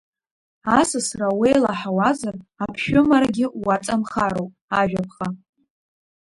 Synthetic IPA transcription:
asasrawejlaħawazarapʰʃᶣʊmaɾaɡʲɪwat͡sʼamχaɾowpʼaʒᶣapʰχa

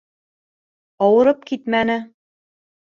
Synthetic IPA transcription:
ɑwɤ̆ɾɤp̚kit̪mænɘ

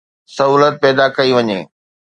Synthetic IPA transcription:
sɐɦuːlət̪̚pɛːd̪akɐiʋɐɲḛː

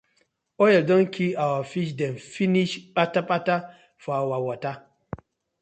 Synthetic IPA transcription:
ojɛldɔnkiawafiʃ̬dɛnfiniʃɓataɓata | fɔawawata

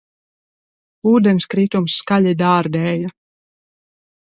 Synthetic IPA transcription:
uːd̪ɛnskɾit̪umsːkalʲid̪aːɾd̪ɛːja

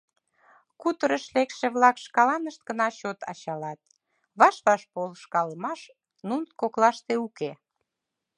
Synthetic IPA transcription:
kut̪əɾəʃlekʃeβlɑkʃkɑlɑnəʃt̪̚ɡənɑɕot̪ɑ̰t͡ɕɑlɑt̪̚ | βɑʃlɑʃpolʃkɑləmɑʃ | nuntkoklɑʃt̪euke

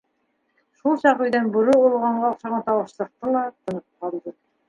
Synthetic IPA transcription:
ʃulˠɕɑqɵjd̪ænbʊɾuolˠʁɑɴʁɑoqʃɑʁɑnt̪ʰɑwəʃlˠəq̚t̪əlˠɑt̪ʰɤ̆nəp̚qʰɑlˠd̪ɤ

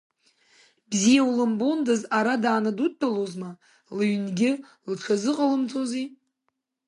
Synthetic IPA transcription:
bzijawulɨmbondazaɾadaːnadut̚ʰːalozma | lɨɥnɡʲɪ | lʈ͡ʂʷʰazɨqʼəlɨmt͡sʼozi

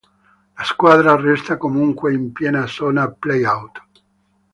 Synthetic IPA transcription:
laskwaːd̪ɾarɛst̪akomuŋkweimpjɛːnasɔːnaplejawt̪

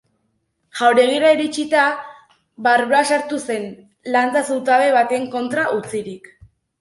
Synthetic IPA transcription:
ʝawɾe̞ɣ̞iɾaiɾit͡ʃit̪a | βaɾβoasaɾt̪use̞n | lant͡sasuwt̪aβe̞βat̪e̞ŋko̞nt̪ɾaʔut͡siɾik

